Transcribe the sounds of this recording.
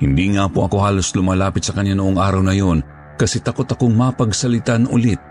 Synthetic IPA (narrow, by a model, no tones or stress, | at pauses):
hɪnd̪iŋaːpoʔɐko̞haːlo̞slʊmaːlaːpɪt̪sɐkɐnɲːanʊʔoŋʔaːɾɐwnɐjo̞n | kɐsɛt̪ɐko̞t̪ɐkoŋmapɐɡsɐlɪt̪anʔʊ̰lɪt̪̚